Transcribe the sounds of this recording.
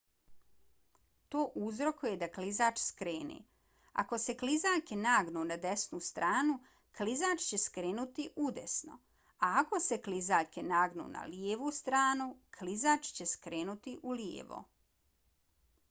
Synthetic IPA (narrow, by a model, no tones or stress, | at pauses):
t̪oːʔuzɾo̞kuje̞d̪aklizaːt͡ʃskɾeːnḭ | a̰ko̞se̞klizaːʎkenaːɡnunad̪esnust̪ɾaːnu | klizaːt͡ʃt͡ɕe̞skɾeːnut̪iʔud̪esno̞̰ | aːko̞se̞klizaːʎkenaːɡnṵːna̰ljeːʋust̪ɾaːnukʰlizaːt͡ʃt͡ɕe̞skɾeːnut̪iʔuljḛʋo̰